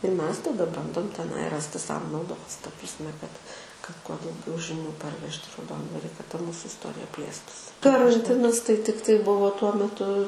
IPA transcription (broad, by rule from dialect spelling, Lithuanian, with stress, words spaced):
ɪr ˈmʲɛs tɐˈdɐ ˈbɐndoːm tʲɛˈnɐɪ ˈrɑːsʲtʲɪ ˈsɐʊ nɐʊˈdoːs tɐ prɐsʲˈmʲɛ kɐt kɐt kuɔ dɐʊˈɡʲɛʊ ʒʲɪˈnʲuː pɐrʲˈʋʲɛʃʲtʲ ɪ rɐʊˈdoːndʋɐrʲɪ tɐ ˈmuːsʊ ɪsˈtoːrʲɪjɛ ˈpʲlʲeːstʊsʲɪ kɐrɐnʲˈtʲɪnɐs tɐɪ ˈtʲɪktɐɪ ˈbʊʋoː tuɔ mʲɛˈtʊ